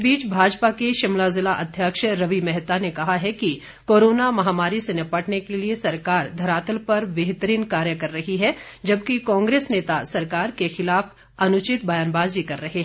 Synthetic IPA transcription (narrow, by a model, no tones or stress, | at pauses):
biːt͡ʃbʱaːd͡ʒpakeʃɪmlazɪlaʔɐd̪ʱjəkʃɾɐʋimɛɦt̪anekɐɦaɦɛki | koːɾoːnamɐɦaːmaːɾisenɐpɐʈnekeliesɐɾkaːɾd̪ʱɐɾaːt̪əlpɐɾbeɦt̪əɾiːnkaːɾjəkɐɾːɐɦiɦɛd͡ʒɐb̚kikɔ̃ːŋɡɾeːsneːt̪asɐɾkaːɾkexɪlaːf | ɐnʊt͡ʃɪt̪̚bɐjaːnbaːzikɐɾːɐɦeɦɛ̃